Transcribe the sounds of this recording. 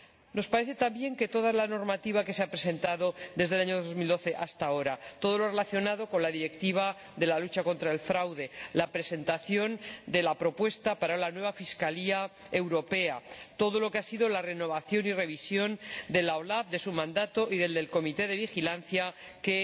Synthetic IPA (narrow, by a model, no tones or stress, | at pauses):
no̞spaɾeθe̞t̪ambje̞ŋke̞t̪o̞ð̞alano̞ɾmat̪iβake̞seapɾe̞se̞nt̪aðo̞d̪ezðe̞laɲo̞ðo̞zmild̪oθe̞ʔast̪ao̞ɾat̪o̞ð̞o̞lore̞laθjo̞nað̞o̞ko̞nlaðiɾe̞kt̪iβ̞a | ðe̞lalut͡ʃakõ̞nt̪ɾae̞lfɾawðe̞lapɾe̞se̞nt̪aθjo̞nd̪e̞lapɾo̞pwe̞st̪apaɾalanwe̞β̞afiskalia | e̞wɾo̞pe̞at̪o̞ð̞o̞lo̞ke̞asiðo̞lare̞no̞β̞aθjo̞nire̞β̞isjo̞nd̪e̞laolafðe̞sumãnd̪at̪o̞ʔiðe̞ld̪e̞lko̞mit̪e̞ðe̞β̞ixilan̟θjake̞